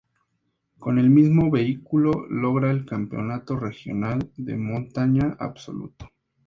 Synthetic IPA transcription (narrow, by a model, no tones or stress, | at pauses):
ko̞ne̞lmizmo̞βe̞ikulo̞lo̞ɣɾaelkampeo̰nat̪o̞re̞xjo̞̰nald̪e̞̰mõ̞nt̪aɲaʔa̰βso̞̰lṵt̪ḁ